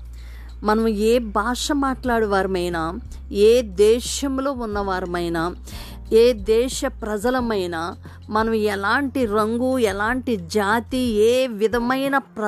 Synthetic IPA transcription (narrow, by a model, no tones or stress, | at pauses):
mɐnɐmeːbʱaːʂɐmaːʈlaːɽɐʋaːɾɐmɐjnaː | eːd̪ɛːʃɐmloːunːɐʋaːɾɐmɐjnaː | eːd̪ɛːʂɐpɾɐd͡ʒɐlɐmɐjnaː | mɐnɐmɛlaːɳʈiɾɐŋɡuɛlaːɳʈid͡ʒaːt̪ieːʋid̪ʱɐmɐjnɐpɾɐ